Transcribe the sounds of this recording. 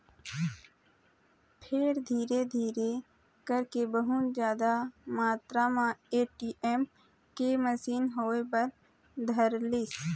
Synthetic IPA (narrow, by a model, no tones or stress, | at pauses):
pʰeːɾd̪ʱiːɾed̪ʱiːɾe | kəɾkebəɦʊt̪d͡ʒjaːd̪amaːt̪ɾamãeːʈiːʔeːm | keməsiːnɦoːepəɾ | d̪ʱəɾlis